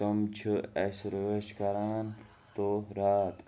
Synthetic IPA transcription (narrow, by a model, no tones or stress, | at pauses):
ɐmt͡ʃʰɨesɾəʋeːʃkɐɾaːn | t̪oɾaːt̪